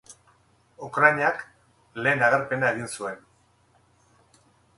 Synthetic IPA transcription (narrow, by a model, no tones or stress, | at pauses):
ukɾajɲak | le̞ːnaɣ̞eɾpe̞naeɣinsue̞n